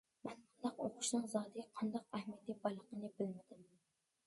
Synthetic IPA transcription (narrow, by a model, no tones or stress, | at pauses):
mɛnqʰɑnd̪ɑqoqʰʊ̥ʃnɨŋzɑːd̪ɪɡʲɛqʰɑnd̪ɑq̚æhmit̪ibɑjlˠəqənɨbɪlmɪd̪ɪm